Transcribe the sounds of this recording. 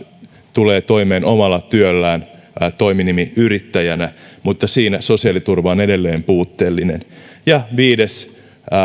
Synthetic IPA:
t̪uleːt̪o̞imeːnomɑlːɑt̪yølːæːn | t̪o̞iminimiyrit̪ːæjænæmut̪ːɑsiːnæso̞siɑlit̪urʋɑone̞de̞lːeːmpuːt̪ːeːlːinenjɑʋiːdes

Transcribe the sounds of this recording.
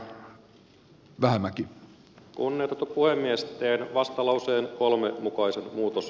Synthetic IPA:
ʋæhæmæki | kunːeːt̪ɑt̪upuhe̞mːiest̪ˑeːnʋɑst̪ɑlɑwseːnko̞lmemukɑisenmuːt̪os

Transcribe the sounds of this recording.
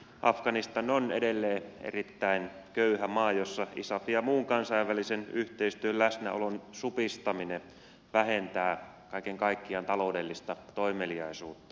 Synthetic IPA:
ʔɑfɡ̥ɑnist̪ɑnonḛdelːeːḛrit̪ːæinkøyhæmɑːjosːɑḭsɑfijɑmuːŋkɑnsɑiʋːælisenyht̪eist̪yøllæsnæ̰o̰lonsupist̪ɑmine | ʋæɦent̪æː | kɑikeŋkɑikːiɑnt̪ɑlo̞udelːist̪ɑt̪oimeliɑisuːt̪ːɑ̥

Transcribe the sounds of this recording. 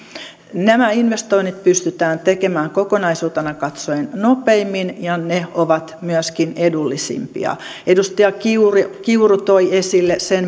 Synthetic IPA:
næmæinʋest̪oinit̪̚pyst̪yt̪æːnt̪ekemæːŋkokonɑisuːt̪enɑkɑt̪soennopeimːinjɑneoʋɑt̪myæskinedulːisḭmpḭɑ̰edust̪ɑjɑkiurkiurut̪oiesilːesen

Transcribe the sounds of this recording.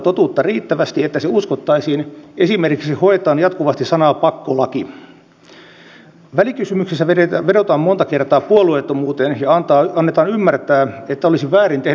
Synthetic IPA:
t̪ot̪uːt̪ːɑriːt̪ːæʋæst̪iet̪ːæseuskot̪ːɑisiːnesimerkiksihoet̪ɑːnjɑt̪kuʋɑst̪isɑnɑpɑkːolɑki | ʋælikysymyksesːæeʋeɾot̪ɑːmmont̪ɑkert̪ɑːpuoluet̪ːomuːt̪enjɑɑnt̪ɑːɑnːet̪ɑːnymːært̪æːet̪ːæolisiʋʋæːrint̪eh

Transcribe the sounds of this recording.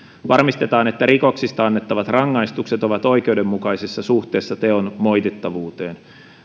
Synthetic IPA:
ʋɑrmist̪e̞t̪ɑːne̞t̪ːæɾiko̞ksist̪ɑɑnːet̪ːɑʋɑt̪rɑŋːɑist̪ukse̞t̪oʋɑt̪o̞ikeude̞mːukɑijsesːɑsuht̪e̞ːsːɑt̪eonmo̞jt̪et̪ːɑʋuːt̪eːn

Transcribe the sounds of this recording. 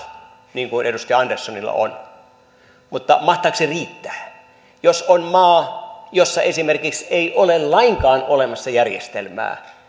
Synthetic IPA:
niːŋkunedust̪iɑɑndersːonilːɑ̰o̰n | mut̪ːɑ̰mɑht̪ˑɑːkseriːt̪ːæ̥ː | josonmɑːjosːɑesimerkikseiʔolellɑiŋkɑːnolemɑsːɑjærjḛst̪ḛlmæ̰ː

